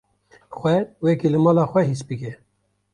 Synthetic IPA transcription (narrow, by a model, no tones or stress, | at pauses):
xʷɛwɛkilɨmɑːlɑːxʷɛhisbɨkɛ